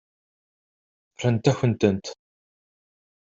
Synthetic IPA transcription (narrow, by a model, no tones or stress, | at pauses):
ɾənt̪æçənt̪ənt̪